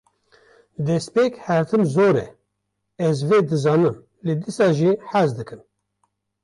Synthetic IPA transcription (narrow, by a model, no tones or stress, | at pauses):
d̪ɛspeːkhæɾt̪ʰɨmzoːɾɛ̰ | ɛzveːd̪ɨzɑːnɨm | led̪isɑːʒiħæzd̪ɨkʰɨm